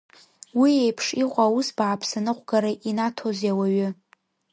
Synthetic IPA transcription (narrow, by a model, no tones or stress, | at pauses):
wiejpʰʂiqʷʼawusbaːpʰsanɨqʷʼɡaɾaʔinatʰozjawaɥʏ